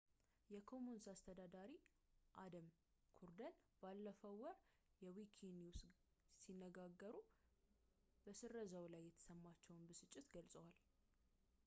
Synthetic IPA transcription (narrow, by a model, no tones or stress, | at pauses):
jɛkʰo̞munsast̪ʰəd̪ad̪aɾi | ʔad̪əm | kʰuɾd̪ənb̥alːəfəwwːɔɾ | jɛwikʰiniws | sinːəɡaɡːəɾu | b̥əsɨɾːəzəwlajːɛt̪ʰə̥səmːat͡ʃːɛwnbɨsɨt͡ʃʼːɪt̪ɡəlsʼəwal